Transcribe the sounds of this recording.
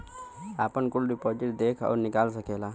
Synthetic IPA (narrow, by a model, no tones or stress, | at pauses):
a̰pəɳkulɾipɔd͡ʒiʈd̪ekʰa̰ʋɾnikals̬əkela